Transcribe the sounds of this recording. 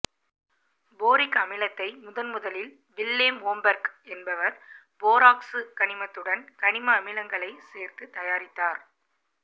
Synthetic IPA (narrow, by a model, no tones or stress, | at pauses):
boːɾɪkɐmɪlɐt̪ːɐɪmʊðɐnmʊðɐlɪl | ʋɪlːeːmoːmbɐɾɡɛnbɐʋɐɾ | boːɾaːksɯkɐɳɪmɐt̪ːɯɽɐnkɐɳɪmɐːmɪlɐŋɡɐɭɐɪseːɾt̪ɯt̪ːɐjaːɾɪt̪ːaːɾ